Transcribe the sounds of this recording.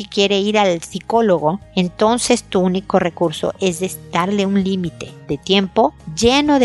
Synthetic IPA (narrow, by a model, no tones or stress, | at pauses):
ikje̞ɾe̞iɾalsiko̞lo̞ɣo̞e̞nt̪o̞nse̞st̪uuniko̞re̞kuɾso̰ʔe̞zðest̪aɾle̞unlimit̪e̞ðe̞t̪je̞mpo̞ʝe̞no̞ð